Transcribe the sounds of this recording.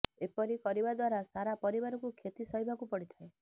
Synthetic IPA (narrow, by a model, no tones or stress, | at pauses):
epɔɾikɔɾibad̪waɾasaɾapɔɾibaɾɔkukʰet̪isɔɦibʱakupɔɽit̪ʰae